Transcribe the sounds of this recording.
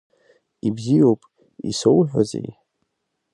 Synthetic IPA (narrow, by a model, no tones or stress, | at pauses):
ibzijowpʼ | isowħʷᶣa̰zḛj